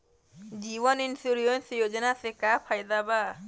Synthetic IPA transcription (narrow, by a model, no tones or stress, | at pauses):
d͡ʒiːwɔninsuɾionsijod͡ʒanasekapʰajd̪aba